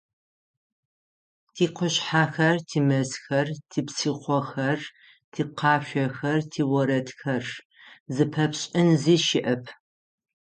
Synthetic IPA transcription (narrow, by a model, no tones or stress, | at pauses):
tʰiːqʷʊɕħaːxɐrtʰiːmɐsxɐrtʰiːpsiːqʷɔxɐr | tʰiːqʰɑːɕʷɐxɐrtʰiːwɔɾɐtʰxɐr | zɨpʰɐpɕʼɪnziːʃɪʔɐpʰ